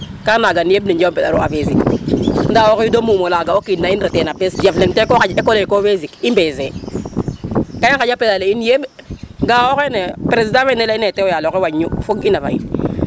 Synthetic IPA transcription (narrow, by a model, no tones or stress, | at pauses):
kanaɡaniebnid͡ʒmpɛda̰ɾuavezikndawokidomumolaɡaokinːainɾetenapesjafleŋtekokad͡ʒekolekovezikimbeze | kaikad͡ʒapedaleinjebɡawokenepɾezidamenelaineteojalkewaɲːufoɡinava̰ḭn